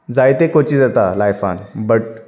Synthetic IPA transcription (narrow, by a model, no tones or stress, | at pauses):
d͡zajt̪ekot͡ɕiːd͡zat̪alajfa̰nbəʈ